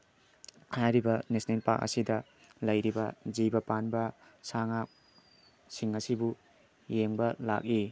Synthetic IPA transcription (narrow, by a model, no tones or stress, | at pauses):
hajɾibɐnesnelpa̰k̚ɐ̰sidɐ | lɐjɾibɐzijbɐpanbɐsaŋak̚ | siŋɐsibu | jeŋbɐla̰k̚i